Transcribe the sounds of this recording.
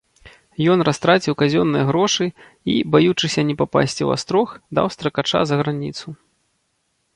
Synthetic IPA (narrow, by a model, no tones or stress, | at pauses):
jɔnrast̪ɾat͡sʲiwkazʲɔnːɨjɐɣɾɔʂɨ | ḭbajut͡ʂɨsʲɐnʲɛpapa̰sʲt͡sʲiwa̰st̪ɾɔxd̪a̰wst̪ɾɐkat͡ʂa̰zɐɣɾanʲḭt̪su